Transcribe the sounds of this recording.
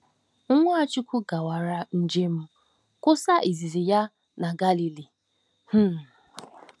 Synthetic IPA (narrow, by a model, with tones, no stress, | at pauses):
ŋ̩˦ŋʷʊ˦a˦t͡ʃʊ˦kʷʊ˦ɡa˨wa˨ɾa˨n̩˦d͡ʒe˦m̩˦ | kʊ˦sa˦ʔi˨zi˨zi˨ja˦ | na˨ɡa˦li˨li˨ | h̩˦˨